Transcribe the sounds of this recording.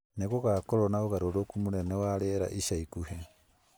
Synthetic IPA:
neɣoɣakɔɾɔnaoɣaɾoɾokumonɛnɛwaɾeɾa̰ʔiʃaikuhɛ

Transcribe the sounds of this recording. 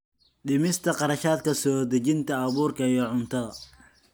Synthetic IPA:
ɖɪmɪst̪ʰɐqɑɾɐʃaːd̪̚kʰɐsɔːd̪ɐt͡ʃɪnt̪ʰɐɐβuːrkʰɐjɔʕʊnt̪ʰɐ

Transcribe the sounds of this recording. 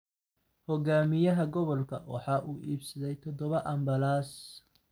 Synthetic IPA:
hɔɡaːmɪjɐɦɐɡɔβɔlkʰɐwɑ̰ħɑːʔuːʔiːbsɐðɛjt̪ʰɔd̪ɔβɐʔɐmbɐlaːs

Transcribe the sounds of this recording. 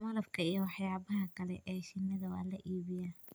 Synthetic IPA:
mɐlɐb̚kʰɐijɞwɑħjaːβɐɦɐkʰɐlɛ̰ʔɛːʃɪnːɐðɐwɑ̰ːlɐʔiːβɪjaː

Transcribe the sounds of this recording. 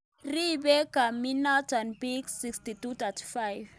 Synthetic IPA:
ribɛkaminatanbiksikstitut̪atʰi̥fajv

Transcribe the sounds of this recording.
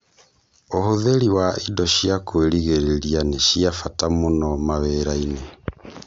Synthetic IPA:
ohoðeɾiwaʔidɔʃiakweɾiɣeɾeɾianeʃiafatamonɔmaβeɾaine

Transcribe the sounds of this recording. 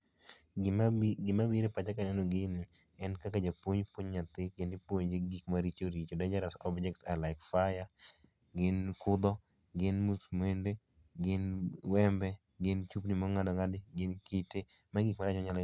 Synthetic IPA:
ɡɪmabiɾepat͡ʃakanɛnoɡɪnɪ | ɛnkakad͡ʒapwoɲpwoɲɲat̪ɪkɪndɪpwoɲd͡ʒeɡikmaɾit͡ʃoɾit͡ʃodad͡ʒaɾasɔbd͡ʒɛk̚tsalaɪkfaja | ɡɪnkʊd̪ɔ | ɡɪnmusmende | ɡɪnwɛmbɛ | ɡɪnt͡ʃupnimɔŋadɔŋadɪɡɪnkitemaɡikmaɾat͡ʃɔɲalɔ

